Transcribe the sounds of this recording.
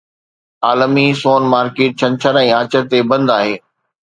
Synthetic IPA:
aːləmisoːnmaːɾkeːʈ̚t͡ɕʰɐ̃nt͡ɕʰəɾɛ̃ːaːt͡ɕəɾt̪ebɐ̃nd̪aːɦeː

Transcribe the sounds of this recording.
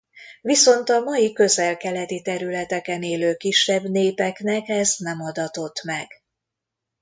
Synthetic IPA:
viso̞nt̪ɒmɒjikø̞zɛlkɛlɛt̪it̪ɛɾylɛt̪ɛkɛneːløːkiʃːɛbneːpɛknɛkɛznɛmɒd̪ɒt̪o̞t̪mɛɡ̥

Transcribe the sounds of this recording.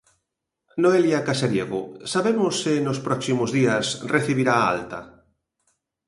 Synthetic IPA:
noeljakaseɾjeɣʊ̰saβemʊsenʊspɾɔksimʊzðiɐsrʔeθiβiɾaːa̰lt̪a̰

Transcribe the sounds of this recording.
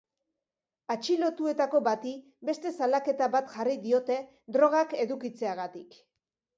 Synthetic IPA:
at͡ʃilo̞t̪ue̞t̪ako̞βat̪i | be̞st̪e̞salake̞t̪aβat̪ʝariðio̞t̪e̞ | d̪ɾo̞ɣ̞ake̞ðukit͡se̞aɣat̪ik

